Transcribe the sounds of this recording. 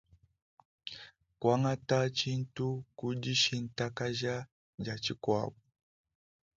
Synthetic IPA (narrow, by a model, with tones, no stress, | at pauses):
kwa˦ŋa˦ta˦t͡ʃi˦n̩˦tu˦ku˦d͡ʒi˦ʃi˦n̩ta˦ka˦ʒa˦ | d͡ʒa˨t͡ʃi˦kwa̰˦˨βu˨